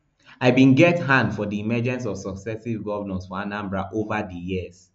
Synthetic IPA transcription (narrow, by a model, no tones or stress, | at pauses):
aɪbĩnɡɛtɦãndfɔdiimɛd͡ʒɛ̃ns̬ɔv̥sɔksɛsivɡɔvənãnsfɔãnãmbɹaʔovadəjiz̥